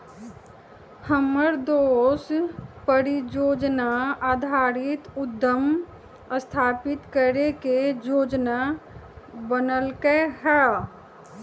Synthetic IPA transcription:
həməɾd̪oːspəɾid͡ʒoːd͡ʒnaaːd̪ʱaːɾɪt̪ʊd̪ːəm | əst̪ʰaːpɪt̪kəɾeked͡ʒoːd͡ʒna | bənəlkeɦɛ

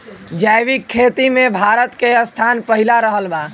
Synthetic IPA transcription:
d͡ʒajʋikʰːet̪imebʱaɾət̪keəst̪ʰanpəɦilaɾəɦəlba

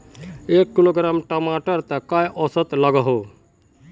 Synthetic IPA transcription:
ekːiloɡɾamʈɔmaʈəɾt̪əkajʔɔsət̪lʌɡəɦo

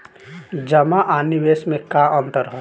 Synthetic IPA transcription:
d͡ʒəmaʔanibesmekaʔənt̪əɾɦɔ

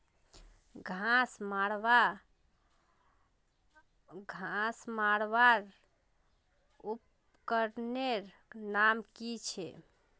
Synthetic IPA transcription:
ɡʱãsmaɽʋa | ɡʱãsmaɽʋaɾ | up | kəɾneɾ | namkit͡ʃʰɛ

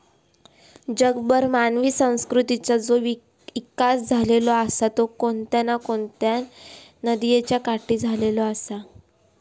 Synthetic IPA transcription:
d͡ʑəɡbəɾmanʋiːsə̃w̃skɾut̪it͡sad͡zo | ʋikasd͡zʱalelɔasat̪okont̪janakoɳt̪janəd̪ijet͡ɕjakaʈʰiːd͡zʱalelɔasa

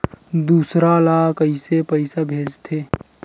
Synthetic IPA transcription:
d̪uːsɾalakəisepəɪsabʱeːd͡ʒt̪ʰe

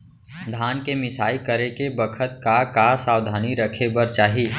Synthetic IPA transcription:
d̪ʱaːnkemɪsaːikəɾekebəkʰət̪̚kakasaːwd̪ʱaːniɾəkʰebəɾt͡ʃaːɦiː

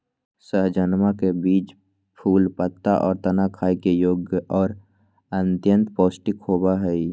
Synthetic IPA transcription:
səɦd͡ʒənmakebiːt͡ʃ | pʰuːlpət̪ːaʔɔːɾt̪ənakʰaːikejoːɡjəʔɔːɾ | ənt̪jə̃nt̪poːsʈɪkʰoːbaɦɛi

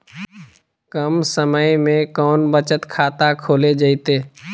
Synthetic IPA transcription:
kəmsəməjmẽkɔːnbət͡ʃət̪kʰaːt̪akʰoːled͡ʒəɪt̪eː

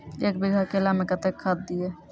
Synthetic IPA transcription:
eːk̚biɡʱakelamekət̪ekʰːad̪̚d̪ie

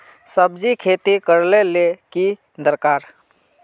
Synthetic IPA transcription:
səbd͡ʒikʰeːt̪ikəɾleleki | d̪əɾkaːɾ

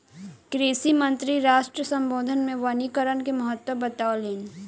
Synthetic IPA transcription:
kɾeːsimə̃nt̪ɾiɾaːʃʈɾəsə̃mboːd̪ʱənmẽʋanikəɾənkemɐɦət̪wəbət̪aːoleːn

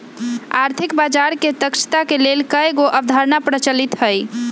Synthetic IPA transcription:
a̰ɾt̪ʰikbad͡ʒaɾket̪əkʃə̥t̪akelelkəjɡoʔəbd̪ʱaɾnapɾət͡ʃəlit̪ɦəj

